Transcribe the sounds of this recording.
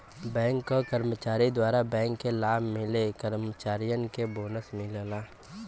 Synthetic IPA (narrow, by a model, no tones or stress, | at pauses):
bɛ̃ːŋkːokəɾmət͡ʃaːɾid̪waːɾabɛ̃ːŋkːelaːbʱmɪlekəɾmət͡ʃaːɾijənkeboːnəsmɪlnaː